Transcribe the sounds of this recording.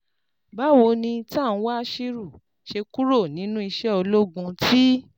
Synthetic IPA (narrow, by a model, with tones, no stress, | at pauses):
ba˦wo˧nĩ˧ta˦˨ñ̩˨˦wa˦ʃi˦ɾu˦˨ | ʃe˧ku˦ɾo˦˨nĩ˨˦nũ˦i˧ʃɛ˦o˧lo˦ɡũ˧tʰi˦